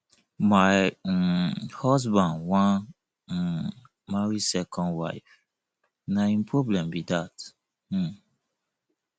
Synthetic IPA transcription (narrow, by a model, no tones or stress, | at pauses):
maj | hɔsbãndwãn | maɹisɛkʰɔ̃ndwa̰ɪf | naĩnpʰɹɔblɛ̃mbidat̩